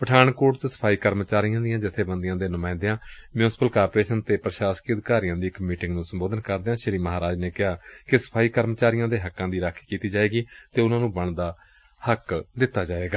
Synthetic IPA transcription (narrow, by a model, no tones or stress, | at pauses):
pəʈʰaːɳkoːʈt͡ʃsə̥pʰaːiːkəɾmət͡ʃaːɾɪjãːd̪ɪjãːd͡ʒɪt̪ʰːeːbənd̪ɪjãːd̪eːnʊmaːɪ̃nd̪ejãːmjuːnsɪ̥pəlkaːɾpːɾeːʃənt̪eːpɾəʃaːskəd̪kaːɾijãːd̪iːɪkmiːʈɪ̃ŋɡnũːsəmboːd̪ənkəɾd̪eːãːʃɪɾiːməɦaːɾaːd͡ʒneːkɪɦaːkɪsə̥pʰaːiːkəɾmt͡ʃaːɾɪjãːd̪eːɦəkːãːd̪iːɾəkʰkiːt̪iːd͡ʒaːeːɡiːt̪eːʊnãːnũːbəɳd̪aː | həkd̪ɪt̪ːaːd͡ʒaːʋeːɡaː